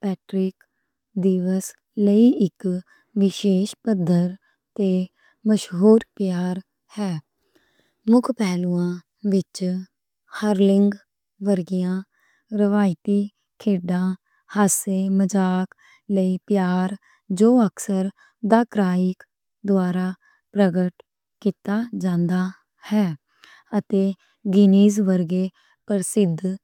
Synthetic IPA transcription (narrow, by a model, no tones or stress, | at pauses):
pɛːʈɾɪk | d̪iːʋəs | ləiːɪk | ʋɪʃeːʃpəd̪ʱːəɾ | t̪eː | məʃɦuːɾpjaːɾ | hɛː | mʊkʰpɛːluːãː | ʋɪt͡ʃ | həɾlɪŋɡ | ʋəɾɡɪjãː | ɾɪʋaːɪt̪iː | kʰeːɖãː | haːseːməd͡ʒaːk | ləiːpjaːɾ | d͡ʒoːəksəɾ | d̪aːkɾaːɪk | d̪ʊaːɾaː | pɾəɡəʈ | kiːt̪aːd͡ʒãːnd̪aː | hɛː | ət̪eː | ɡɪniːzʋəɾɡeː | pəɾsɪd̪